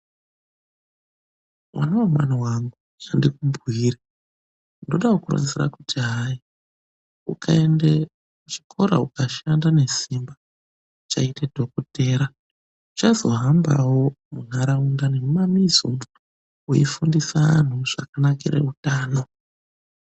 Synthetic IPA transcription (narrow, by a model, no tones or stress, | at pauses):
wa̰nawomwaniwaŋɡu | t͡ʃandikumbiːɾa | ndoɗawokura̰d͡zira̰kutʰiɦai | ukae̞nde | uʐikʰo̞ɾa̰ukaʃandane̞simba | t͡ʃaitedʱo̞kote̞ːɾa | ut͡ʃazo̞ɦamba̰wo̞ | munaɾaundane̞mumamizo | ujifundisaan̤uʐ̥akanakeɾḛutaːno̞